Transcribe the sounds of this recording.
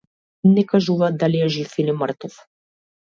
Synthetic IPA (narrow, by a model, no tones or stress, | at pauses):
nɛkaʒuvad̪alijaʒifiliməɾt̪ɔf